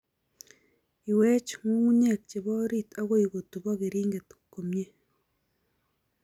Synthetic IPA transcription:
i˨we˦t͡ʃŋu˦u˦ɲe˨k̚t͡ʃe˨βo˦ɾi˦ta˦ɣo˦i˨ɣo˨tu˨βo˦ɣe˨ɾiːŋɡe˨tu̥kːo˨mɲe˦

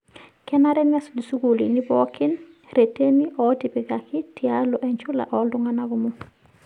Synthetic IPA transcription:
kɛ˦naɾɛ˦mja˦sli˨su˦ɡu˨lḭ˨ni˦bɔ˦kɪ˦nɾe˨te˦ni˦ʔɔti˨bɪ˨ɡakɪ˦tia˦lɔ˨ʔɛ˨ɲt͡ʃʊ˦la̰˨ʔɔ˨˦ldʊ˦ŋa˦na˦ɡɔ˨mɔ

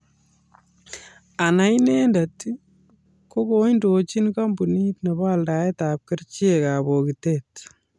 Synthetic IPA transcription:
a˨na˨i˦ne˦nda˨t | ko˦ko˦indo˨t͡ʃi˦nka˦mbu˨ni˦tne˨ba˦lda˨e˦ta˨p̚kɪ˦rt͡ʃi˦e˨ka˨bo˨ki˨tet

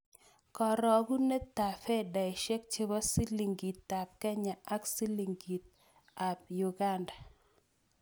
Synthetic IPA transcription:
kɔ˨ɾɔ˨ɡu˦ne˦t̪ːa˨fɛ˦˨da˨ɪ˨ʃe˦k̚t͡ʃe˦bɔ˦si˦li˨ŋɡi˨t̪ːa˨p̚kɛ˦ɲa˨ʔa˦ksi˦li˨ŋɡi˨t̪̚ | a˨p̚ju˨ɡa˦nda˨

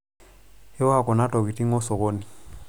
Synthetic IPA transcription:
ɪ˦ɔ˦a˦kɔ˨na˦tɔ˨ki˨ti˦ŋɔ˦sɔ˨ɣo˦ni˨

